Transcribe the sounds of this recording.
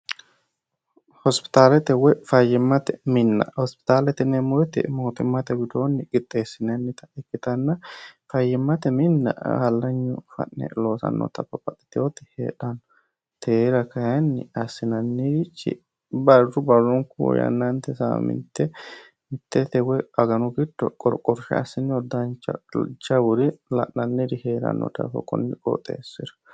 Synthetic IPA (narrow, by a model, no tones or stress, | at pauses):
hɔspɪ̥t̪aːlɛt̪ɛwɛfɐjɪmːɐt̪ɛmɪnːɐ̰hɔspɪ̥t̪aːlɛt̪ɪnːɛmʊɾɛt̪ɪ̰moːt̪ʊmːɐt̪ɛɡʊd̪oːnːɪɡɪt̪ʼːeːsːɪnɐnːɪt̪ɐ̥ɛkːɪt̪ɐnːɐfɐjːɪmːɐt̪ɛmɪnːɐ̰hɐlːɐɲːʊfɐ̰ʔːɛ̰loːsɐ̰nːo̰t̪ɐbːɐpːɐt̪ɪ̥t̪ɪjot̪ɪ̥hḛːᶑɐn | t̪ʰeːɾɐkɐjɐnːɪ̰ɐsːɪnɐnːit͡ʃːɪ̰ | bɐrːʊbɐrːɔŋkṵjɐ̰nːɐnt̪ɛsa̰ːmɪ̰nt̪ːɛ | t̪ːɛt̪ɛwɛɐɡɐnʊɡɪd̪ːɔ̰kʼɔɾkʼɔɾʃɛ̰ɐ̰sːɪnːɔd̪ɐnt͡ʃːɐ̰t͡ʃɐwʊɾɪlɐ̰ʔːɐnːɪd̪ɪheːɾɐ̰nːɔ̰t̪ɐ̰fɔ̰kʼɔ̰nːɪkʼɔ̰t̪ʼːḛːsːɪɾɐ̥